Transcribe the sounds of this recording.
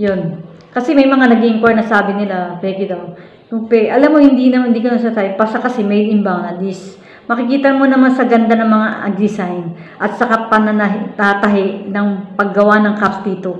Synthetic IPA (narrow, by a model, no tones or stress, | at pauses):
jon | kɐsɛmɐjmɐŋanɐɡɪɪŋkwaɹnɐsaːbɪnɪlabɛːɡɪd̪ɐw | kʊpɛʔɐlamːohɪnd̪inɐmɪnd̪iːkonɐsat̪aɪpasakɐsɛmɛjɪmbaŋɐd̪is | mɐkɪkiːt̪ɐmonɐmansɐɡɐnd̪anɐŋmɐŋaɐ̰ɡ̪ɾɪsajn | ʔɐt̪sɐkapɐnɐnɐɦt̪at̪ɐɦɪʔnɐŋpɐɡɡːɐwanɐŋkapsd̪iːt̪o